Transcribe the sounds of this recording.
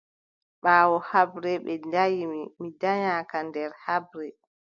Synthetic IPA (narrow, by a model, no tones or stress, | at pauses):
ɓaːwɔhabɾɛɓɛdajimmidaɲakandɛɾhabɾɛ